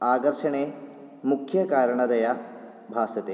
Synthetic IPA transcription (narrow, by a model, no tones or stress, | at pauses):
aːkɐɾʂɐɳeː | mukʰjɐkaːɾɐɳɐd̪ɐja | bʱaːsɐt̪eː